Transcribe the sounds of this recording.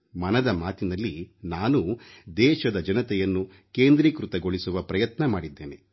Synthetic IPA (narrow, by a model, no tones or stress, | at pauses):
mɐnɐd̪ɐmaːt̪inɐlːinaːnud̪ɛːʃɐd̪ɐd͡ʒɐnɐt̪ɛjɐnːu | keːnd̪ɾiːkɾut̪ɐɡoɭisuʋɐpɾɐjɐt̪nɐmaːɽid̪ːe̞ːne